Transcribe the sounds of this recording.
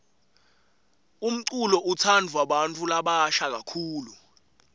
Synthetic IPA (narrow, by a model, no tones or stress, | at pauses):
um̩ǀulɔʔutʰandʱuwaɓantʼulaɓaʃak̬akʰuːlu